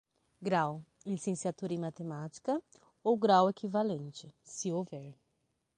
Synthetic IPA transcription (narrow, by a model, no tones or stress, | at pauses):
ɡɾaw | lisẽsiat̪uɾɐĩmat̪emat͡ʃi̥kɐ | owɡɾawekivalẽnt͡ʃɪsɪovɛɾ